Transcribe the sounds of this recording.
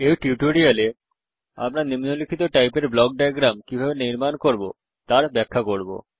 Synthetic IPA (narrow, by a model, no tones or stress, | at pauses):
ewʈuʈoɾiale | a̰mɾanimnolikʰit̪oʈajpeɾblɔɡ̚ɖajɡɾamkibʱabeniɾmankoɾbo̰ | t̪aɾbɛkʰːakoɾbo̰